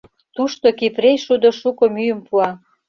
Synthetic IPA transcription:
t̪uʃt̪okipɾejʃud̪ŏʃukŏmyjəmpuɑ

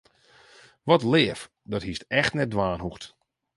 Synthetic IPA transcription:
ʋɔtlɪəf | dɔthistɛxtnɛdʋaːnɦuxt

